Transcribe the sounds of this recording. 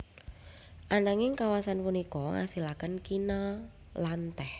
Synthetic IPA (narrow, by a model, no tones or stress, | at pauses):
ʔanaŋɪŋkawasanpunikɔŋa̰silakənkina | lant̪ɛh